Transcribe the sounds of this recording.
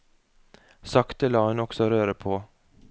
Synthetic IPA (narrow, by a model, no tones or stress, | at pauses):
sɑkt̪əlɑːhʉnɔksɔɾøːɾəpʰoː